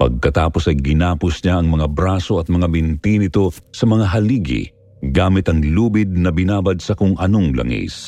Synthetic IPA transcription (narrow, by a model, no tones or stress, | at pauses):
pɐ̰ɡ̚kɐt̪aːpo̞sɐjɡɪnaːpʊsɲaʔɐŋmɐŋabɾaːsoɐt̪̚mɐŋabɪnt̪inɪt̪osɐmɐŋaɦɐliːɡɪ̰ | ɡaːmɪt̪ɐŋluːbɪd̪̚nɐbɪnaːbɐd̪̚sɐkʊŋɐnoŋlɐ̰ŋḭs